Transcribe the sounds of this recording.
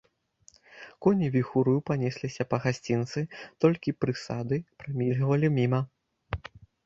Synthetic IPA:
kɔnʲivʲixuɾɨjupanʲesʲlʲisʲɐpɐɣasʲt͡sʲint̪sɨt̪ɔlʲkʲipɾɨsad̪ɨpɾamʲilʲɣvɐlʲimʲimɐ

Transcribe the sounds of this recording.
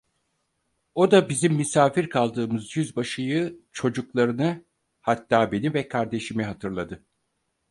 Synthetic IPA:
o̞d̪abizimːysaːfiɾkʰalˠd̪ɯːmɯzjyzbaʃɯjɯt͡ʃʰo̞d͡ʒuklˠaɾɯnɯ | hat̪ːaːbe̞nivɛkʰaɾd̪e̞ʃimiɦat̪ʰɯɾlˠad̪ɯ

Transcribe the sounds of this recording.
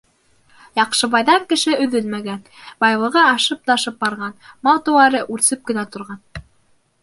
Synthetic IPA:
jɑqʃɤ̆βɑjðɑŋkɘ̆ʃɘɵ̆ðɵlmæɡænbɑjlˠɤ̆ʁɤɑʃɤp̚t̪ɑʃɤp̚bɑɾʁɑnmɑlˠt̪ɤ̆wɑɾɤʔʉɾsɵp̚kɘ̆næt̪ŏɾʁɑn

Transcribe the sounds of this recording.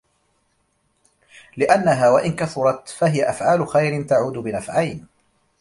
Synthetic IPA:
lɪʔanːaɦaːwaʔɪnkaθʊɾˤɑt̪faɦɪjaʔafʕaːlʊxajɾɪnt̪aʕuːd̪ʊbɪnafʕajn

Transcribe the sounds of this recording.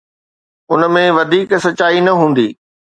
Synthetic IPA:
ʊnə̆mẽʋɐd̪ʱiːksɐaːinɐɦũːn̆d̪iː

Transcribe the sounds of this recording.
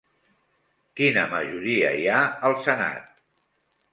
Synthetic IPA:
kinəməʒuɾiə̰iaəlˠsəna̰t̪̚

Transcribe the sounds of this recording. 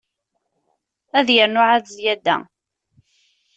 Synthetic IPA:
æðjəɾnʊʕaðzjæd̪ːæ̰

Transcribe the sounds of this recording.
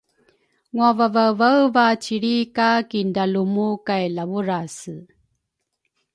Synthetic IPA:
ŋuavavavəwvat͡ɕiɾikakindalumukajlavuɾas

